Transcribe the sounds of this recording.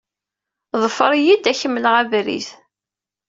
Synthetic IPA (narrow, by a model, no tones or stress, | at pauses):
ðˤəfəɾˤijid̪æçəmːələʁævɾḭθ